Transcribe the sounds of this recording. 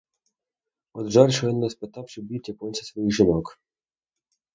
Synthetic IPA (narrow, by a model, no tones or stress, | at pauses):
ɔd̪ʒɑrʲʃɔʋinɔspet̪ɑwʃt͡ʃɔbʲit̪ʲjɐkɔnʲsʲɐsʋɔjixʒɪnɔk